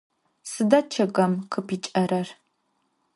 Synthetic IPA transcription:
sɨdɐt͡ʃʰɐɡʼɐmqʰəpʰiːt͡ʃʼɐɾɐr

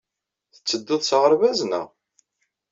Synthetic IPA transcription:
θət͡sːəd̪ːɪðˤsʁəɾˤvæznə̰ʁ

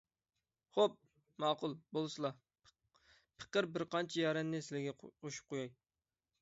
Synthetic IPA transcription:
χop̚ | mɑːqʊlˠbolˠsɨlˠɑ | pʰɨ̥qəɾbɪɾqɑnt͡ʃʰijɑɾɛnːɪsɪlɪɡʲɛoʃu̥p̚qʰojɑj

